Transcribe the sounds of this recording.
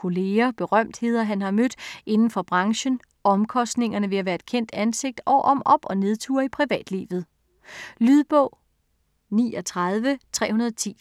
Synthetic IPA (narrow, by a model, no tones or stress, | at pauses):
kʰo̝le̝ːɐb̥e̝ʁɶm̰d̥he̝ːð̞̰ˠɐɦænɦɑ̈mød̥e̝nn̩fɒ̽b̥ʁɑ̈ŋɕən | ʔɒ̽mkʰɒ̽sd̥ne̝ŋɐnəʋe̝æʋæːɐe̝d̥̚kʰen̰d̥ænse̝ɡ̥̚d̥ɒʔɒ̽mɒ̽b̥ɒ̽ne̝ð̞ˠt͡sʰṵːɐipʰʁiʋɛ̰ːd̥lḭːʋð̩ˠ | lyðˠb̥ɔ̰ʊ̰ | nḭːɒt͡sʰʁɑð̞ˠʋət͡sʰʁɛ̰ːhunɐðˠɒt͡sʰḭː